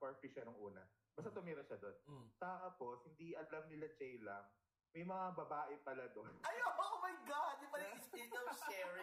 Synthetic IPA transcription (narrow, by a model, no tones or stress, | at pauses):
pɐɹpiʃɐnʊŋʔṵːnɐ̰ | bɐst̪at̪ʊmiːɾɐʃɐd̪o̞nt̪aːpo̞shɪnd̪iʔɐlɐmnɪlɐt͡ʃɛjlɐŋ | mɐjmɐŋabɐbaːʔɪpɐlɐd̪o̞nʔɐjabɐʔomɐjɡad̪ɪpɐlɐɪspid̪ɐʃɛɹ